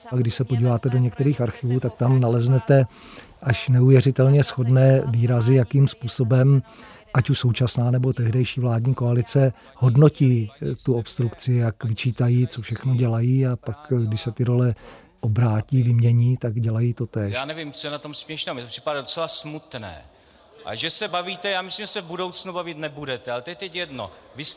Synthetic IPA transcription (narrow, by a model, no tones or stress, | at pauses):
ɡdɪʃsɛpoɟiːvaːt̪ɛdo̞ɲɛkt̪ɛɾiːxaɾxɪvuːt̪ak̚t̪amnalɛznɛt̪ɛ | ʔaʃnɛuvjɛɾɪt̪ɛlɲɛsxo̞dnɛːviːɾazɪjakiːmspuːso̞bɛm | ʔacuʃso̞wt͡ʃasnaːnɛbo̞t̪ɛɦdɛjʃiːvlaːdɲiːko̞alɪt͡sɛ | ho̞dno̞ciːt̪uopst̪ɾukt͡sɪjakvɪt͡ʃiːt̪ajiːt͡sofʃɛxnoɟɛlajiːapakɡdɪʃsɛt̪ɪɾo̞lɛ | ʔobɾaːciːvɪmɲɛɲiːt̪aɡɟɛlajiːt̪o̞t̪ɛːʃjaaːnɛvɪmt͡sojɛnat̪omsmɲɛʃnɛːwmjɛt̪opr̥ɪ̥padadot͡sɛlasmut̪nɛ̰ː | ʔa̰ʒɛsɛbaviːt̪ɛjaːmɪslimʒɛsɛvbudo̞wt͡snubavɪt̪nɛbudɛt̪ɛalɛt̪oɛt̪ɛcjɛdno̰ | vɪs